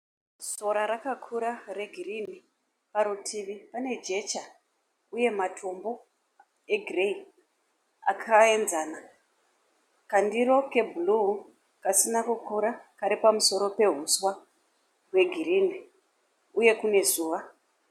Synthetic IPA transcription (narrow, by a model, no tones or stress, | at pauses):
so̞ɾaɾakakʰuɾare̞ɡʱirini | paɾutʰiʋipane̞d͡ʒe̞t͡ʃa | uje̞matʰo̞mbo̞ | e̞ɡʱirei | a̰kʰaenzaːna | kandiɾo̞ke̞bʱulu | kasinakukuɾakaɾipamuso̞ɾo̞pe̞ɦuswa | ɦwe̞ɡʱirini | uje̞kune̞zuːʋa